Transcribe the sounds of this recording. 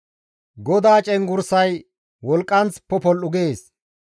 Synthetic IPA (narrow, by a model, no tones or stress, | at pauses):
ɡɔd̪aːt͡ʃʼɛŋɡʊɾsɐj | wɔlkʼːɐnt͡spɔpɔlːʊɡeːs